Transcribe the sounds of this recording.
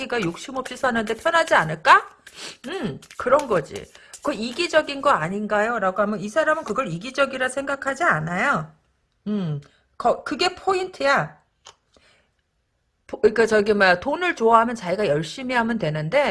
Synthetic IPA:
ɡiɡajok̚ɕ͈imʌp̚ɕ͈isʰanɯnde̞pʰjʌnɦad͡ʑianɯɭk͈a | ɯmkɯɾʌnɡʌd͡ʑḭkʌiɡid͡ʑʌɡinɡʌaɲinɡajoɾaɡoɦamjʌnisʰaɾamɯnkɯɡʌɾiɡid͡ʑʌɡiɾasʰe̞ŋɡakʰad͡ʑianajo | ɯm | kʌkɯɡe̞pʰointʰɯja | pik͈at͡ɕʌɡimatonɯɭt͡ɕoaɦamjʌnt͡ɕaiɡajʌɭɕ͈imiɦamɯntwe̞nɯnde̞

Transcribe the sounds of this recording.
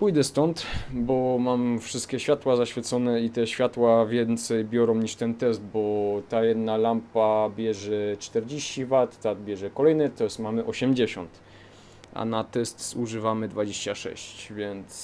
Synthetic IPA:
pujd̪ɛst̪ɔnt̪bɔmamfʂɘst̪̚kʲɛɕfʲjat̪wazaɕfʲjɛt̪sɔnɛit̪ɛɕfʲjat̪wavʲjɛnt̪sɛjbʲjɔɾɔ̃w̃ɲiʂt̪ɛnt̪ɛsd̪bɔt̪ajɛd̪nalampabʲjɛʐɛt͡ʂt̪ɛɾd͡ʑeɕt͡ɕivat̪ːad̪bʲjɛʐɛkɔlɛjnɛt̪ɔjɛst̪mamɘʔɔɕɛmd͡ʑeɕɔ̰nt̪ | ʔa̰nat̪ɛst̪suʐɘvamɘd̪vad͡ʑeɕt͡ɕaʂɛ̰ɕt͡ɕvʲjɛnt̪s

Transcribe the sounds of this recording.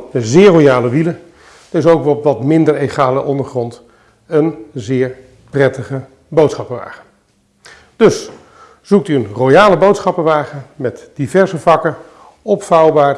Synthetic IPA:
əzɪːɹrojaːləʋilə | d̥əɪsowkʋɛlɔpʋɑtmɪndəɹejχaːləʔɔndəɹχrɔnt | ənzɪːɹ | prɛtəχə | bowtsχɑpəʋa̰ːχə | d̥ɵs | z̥uk̚tyənrojaːləbowtsχɑpəʋaːχənmɛtd̥ivɛɹzəvɑkə | ɔpfɑwbaːɹ

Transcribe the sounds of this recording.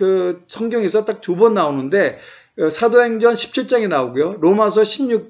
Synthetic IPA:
kɯsʰʌŋɡjʌŋesʰʌt͈ak̚tubʌnːaonɯnde̞ | sʰadoɦe̞ŋd͡ʑʌnɕʰi̥p̚t͡ɕʰiɭt͡ɕ͈aŋenaoɡujoɾomasʰʌɕʰimɲuk̚

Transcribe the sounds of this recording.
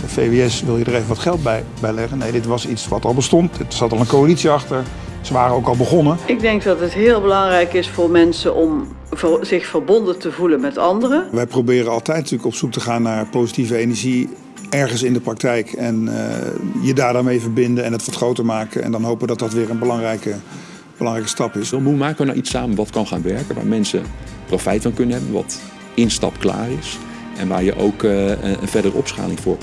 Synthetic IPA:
dəfejveɛsʋɪlˠjədəɹejvənʋɑtχɛlˠd̚bɛj | bɛjlɛχənejdɪtʋɑsitsʋɑtɑlˠbəstɔntdɪtsatɑlˠənkowalitsiɑχtəɹ | z̥əʋaːrəowkɑlˠbəχɔnəɪɡ̚dɛŋk̚dɑtətɦɪːlˠbəlɑŋrɛjkɪsfʊːɹmɛnsəʔɔm | zɪxfəɹbɔndətəvulənmɛtɑndərəʋɛjprowbɪːrənɑlˠtɛjtntyːləkɔpsuk̚təχaːnːaːɹpowzitivəejnəɹʒi | ɛɹχənsɪndəprɑktɛjkɛn̰jədaːɹdaːɹmejvəɹbɪndəɛnɦətʋɑtχrowtəɹmaːkəɛ̰ndɑnɦowpəʋədɑt̚dɑtʋɪːɹənbəlɑŋrɛjkə | b̥əlɑŋrɛjkəstɑpɪsəmumaːkəʋəna̰wʔitsaːmənʋɑtkɑnχaːnʋɛɹkənʋa̰ːɹmɛnsəprofɛjtfɑnkɵnənɦɛbənʋɑ̰t | ɪnstɑ̰pkla̰ːrɪs | ɛnʋa̰ːɹjəʔowkə̰nvɛɹdərəɔ̰psχa̰ːlɪŋvʊːɹ

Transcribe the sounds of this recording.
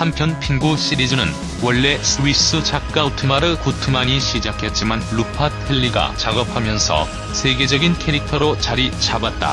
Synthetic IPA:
hampʰjʌnpʰiŋɡuɕ͈ʰiɾid͡ʑunɯn | wʌɭːe̞sʰɯwis͈ɯt͡ɕʰak̚k͈autʰɯmaɾɯɭkutʰɯmaɲiɕʰid͡ʑakʰe̞t̚t͡ɕ͈imanɭupʰat̚ʰpʰeʎːiɡa̰t͡ɕaɡʌp̚ʰamjʌnsʰʌ̰ | sʰe̞ɡe̞d͡ʑʌɡinkʰe̞ɾik̚tʰʌɾot͡ɕaɾit͡ɕʰabat̚t͈a̰

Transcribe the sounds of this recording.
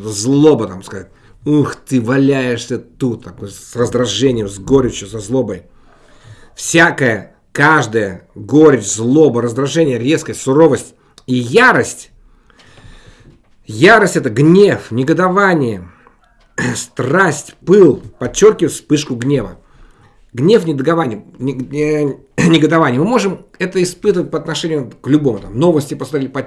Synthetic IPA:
t̪əzlˠobət̪amskɐzat̚ʲ | uxt̪ɨvɐlʲæjɪʂsʲət̪ut̪ʰːɐkojssrəzd̪ɾɐʐɛnʲɪjəmzɡoɾʲɪt͡ɕjʊsɐzlˠobəj | fsʲakəjə | kaʐd̪əjəɡoɾʲɪt͡ɕzlˠobəɾəzd̪ɾɐʐɛnʲɪjəɾʲe̞skəjəsʊɾo̞vəsʲtʲ | ijaɾəsʲtʲ | jaɾəsʲtʲɛt̪əɡnʲe̞fnʲɪɡəd̪ɐvanʲɪjə | st̪rasʲtʲpɨlˠpɐt͡ɕːo̞rkʲɪvət̪ʲspɨʂkʊɡnʲe̞və̰ | ɡnʲe̞fnʲɪd̪əɡ̪ɐvanʲɪjə | nʲɪɡəd̪ɐvanʲɪjəmɨmo̞ʐɨmɛt̪əɪspɨt̪əvət̚ʲpəɐt̪nɐʂɛnʲɪjʊklʲʊbo̞mʊt̪amno̞vəsʲtʲɪpəsmɐt̪ɾʲet̚ʲpɐ

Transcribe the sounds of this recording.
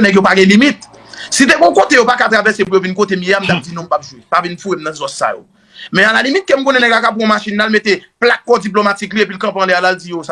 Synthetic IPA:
nɛ̃ɡjopaɡɛ̃limit̪̚ | sit̪eɡɔ̃kot̪ejopakat̪ʁavɛsepujovinkot̪emjeam̩t̪ap̚d͡zinɔ̃m̩pap̚ʒwepavinfuɣemnɐ̃zɔsːa̰jo̰ | mɛ̃alalimit̪̚kem̩kõnɛ̃nɛ̃kakap̬ɣɔ̃maʃinlalmet̪eplakːɔd͡zip̬lomat͡sikliep̬ilkɐ̃pɐ̃lɛalald͡zijosa

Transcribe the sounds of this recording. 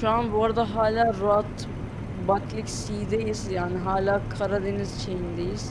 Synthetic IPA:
ʃuanbuaɾad̪aɦaːlʲaːɾoat̪ | bat̪ʰlʲicʲsiːd̪ejizjaːnɪɦaːlʲaːkʰaɾad̪enizt͡ʃʰejind̪ejiz̥

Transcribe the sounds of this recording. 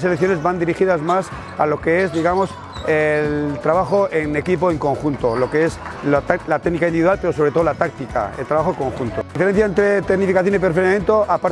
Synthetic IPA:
selekθjo̞ne̞zβand̪iɾixiðazmas | a̰lo̞keezðiɣamo̞s | elt̪ɾaβ̞axoʔe̞ne̞kip̬oe̞ŋko̞ŋxunt̪olo̞keeslalat̪eɣnikainiβiðuwalpeɾo̞so̞βɾet̪o̞ðolat̪ak̚t̪ika̰ḛlt̪ɾaβaxokõ̞ŋxunt̪oifeɾe̞n̟θjaent̪ɾet̪eɣnifikaθjonipeɾfelamjent̪oʔapaɾ

